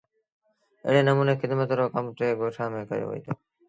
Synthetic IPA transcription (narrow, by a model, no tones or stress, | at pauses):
ɪ̰ɦɽeːnəmuːneːxɪd̪mət̪ɾoːkəmt̪ʰeːɡoːʈʰãːmẽːkə̰jo̰ːʋə̰ḭːt̪ʰoː